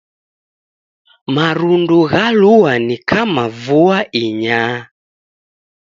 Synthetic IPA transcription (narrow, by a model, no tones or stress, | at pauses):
maɾunduɣaluwanikʰamavuaʔiɲa